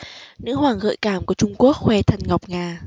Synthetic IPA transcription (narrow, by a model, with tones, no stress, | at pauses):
nɨ̰˧˥ɦwaː˨˩ŋɣə̰ː˧˨jkaː˧˩mku˧˩ət͡ɕʊ˧ŋ͡mku˦˥ək̚xwɛ˧t̪ʰə˨˩nŋa˨˩wk͡p̚ŋaː˧˩